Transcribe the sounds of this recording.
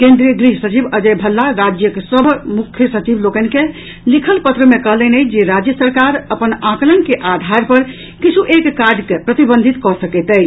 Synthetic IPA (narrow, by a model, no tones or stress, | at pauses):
kẽnd̪ɾiəɡɾiɦsət͡ʃibəd͡ʒəjbʱəlːaɾad͡ʒjəkesəbʱmukʰːjəsət͡ʃiblokənke | likʰəlpət̪ɾəmekəɦlənɛjd͡ʒeɾad͡ʒjəsəɾkaɾəpənãklənkeʔad̪ʱaɾpəɾ | kit͡ʃʰuʔekːaɾɖkepɾət̪ibə̃nd̪ʱit̪kɔsəkɛt̪ɛj